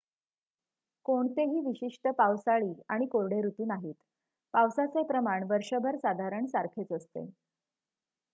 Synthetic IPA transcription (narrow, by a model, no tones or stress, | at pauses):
koɳt̪eɦiːʋiɕiʂʈəpaʋsaɭiːaɽ̃ikoɾɽeɾut̪uːnaɦiːt̪ | paʋsat͡sepɾəmaɳʋəɾʂəbʱəɾsad̪ʱaɾəɳsaɾkʰet͡səst̪ḛ